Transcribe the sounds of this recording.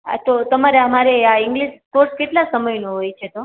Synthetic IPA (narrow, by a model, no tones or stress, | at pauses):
a̰t̪ot̪əmaɾeəmaɾeaɪŋɡliʃpoɾskeʈlasəməjnoɦojt͡ʃʰet̪o